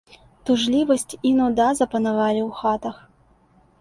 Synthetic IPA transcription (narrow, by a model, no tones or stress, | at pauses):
t̪uʐlʲivɐsʲt͡sʲinud̪azɐpɐnavalʲiwxat̪ɐx